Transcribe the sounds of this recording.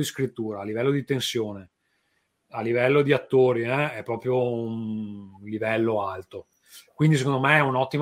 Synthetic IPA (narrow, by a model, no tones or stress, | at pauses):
d̪iskɾit̪ːuːɾaːlːivɛlːod̪it̪ensjoːne | alːivɛlːod̪iat̪ːoːɾiɛɛpːɾɔːpɾjounnlivɛlːoalt̪o | kwind̪isekõnd̪omeɛunɔt̪ːim